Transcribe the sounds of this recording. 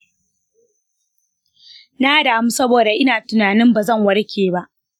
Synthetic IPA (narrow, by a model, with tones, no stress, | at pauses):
naː˦daː˨mu˦sɐ˦boː˨da˨ʔɪ˦naː˨tʊ˨naː˨nɪ˦mba˨zɐ˦˨ŋwɐ˦ɽkʲʰeː˨ba˦ʔ